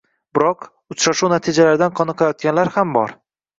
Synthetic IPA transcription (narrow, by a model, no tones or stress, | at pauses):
bɪɾɒq | ʊt͡ʃɾaʃunat̪ʰid͡ʒalaɾɪd̪anqʰɒnɨqʰlajɒt̪̚kʲanlaɾhambɒ̰ɾ